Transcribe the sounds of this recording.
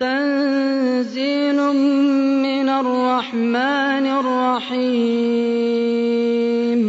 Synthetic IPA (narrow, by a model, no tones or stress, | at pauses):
t̪an | ziːnʊmɪnarːɑħmaːnarˤːɑħi | m